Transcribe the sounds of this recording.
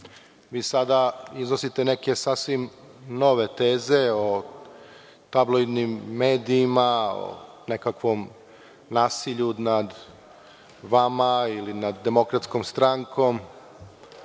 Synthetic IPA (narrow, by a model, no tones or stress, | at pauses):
ʋiːsad̪aiznosit̪ene̞ke̞saːsʋim | no̞ʋe̞t̪e̞ːze̞o | t̪abloid̪nimːe̞ːd̪iːmao̰ | ne̞kakʋom | naːsiʎunad̪ | ʋamailinad̪ːe̞mo̞kɾat̪skomst̪ɾaŋkʰom